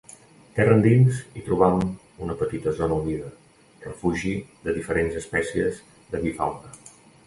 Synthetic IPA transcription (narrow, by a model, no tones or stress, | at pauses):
t̪ɛrənd̪inzit̪ɾuβam | unəpət̪it̪əzɔnəuniðə | rəfuʒiðəðifəɾenzəspɛsiəz | ðəβifa̰lˠt̪ə